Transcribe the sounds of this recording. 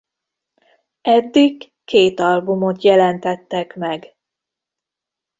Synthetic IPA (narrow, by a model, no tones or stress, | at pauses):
ɛd̪ːikː | eːt̪ɒlbumo̞t̪jɛlɛnt̪ɛt̪ːɛkmɛɡ